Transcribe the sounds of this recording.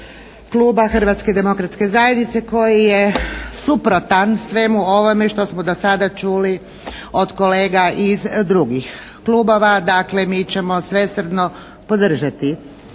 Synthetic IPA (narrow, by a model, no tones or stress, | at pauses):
klˠuːbaxrʋat̪sked̪e̞mo̞kɾat̪ske̞zajed̪nit̪seko̞jijesupɾo̞t̪ansʋe̞muo̞ʋo̞meʃt̪o̞smod̪osad̪at͡ʃuːli | o̞d̪ko̞leːɡaʔizd̪ɾuɡix | klˠuːbo̞ʋad̪aklemiːt͡ɕe̞mo̞sʋe̞sr̩d̪no | po̞d̪r̩ʒat̪i